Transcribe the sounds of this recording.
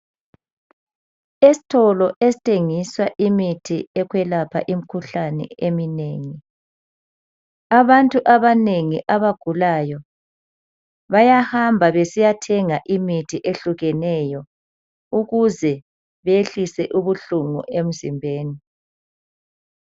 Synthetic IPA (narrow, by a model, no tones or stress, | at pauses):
esi̥tʰɔlɔʔesi̥tʰʼeŋiswaʔimitʰiɛkʰwɛlapʰa̰ʔim̩kʰuɬanɛ̰emineːŋi | aβantʼuʔaβaneŋiʔaβaɡ̥ʱulajɔ | βajahambʱaβesijatʰɛŋaʔimitʰiʔeɬuɣɛnɛjɔ | uɣuzɛ | βeɬisɛʔuβuɬuŋṵʔem̩zimbʱeːni